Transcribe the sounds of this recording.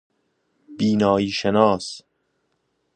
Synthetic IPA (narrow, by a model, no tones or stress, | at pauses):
biːnɒːiːʃenɒːs